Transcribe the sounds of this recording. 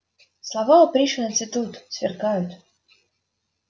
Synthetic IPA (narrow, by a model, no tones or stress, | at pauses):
slˠavaʊpɾʲiʂɨnət̪sʲɪt̪ut̪svʲɪ̰rkajʊt̪